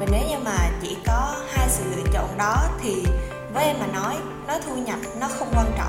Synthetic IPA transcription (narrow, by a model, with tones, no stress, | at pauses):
ve˨˩ne˨˦wɲɨ˧ŋmaː˨˩t͡ɕḭ˧˥kɔ˨˦haː˧jsɨ̰˧˨lɨ̰˧˨t͡ɕo̰˧˨nɗɔ˨˦t̪ʰi˨˩ | vəː˨˦je˧maː˨˩nɔ˨˦j | nɔ˨˦t̪ʰu˧ɲə˨˩p̚nɔ˨˦xə˧wŋ͡mkwaː˧nt͡ɕɔ̰˧˨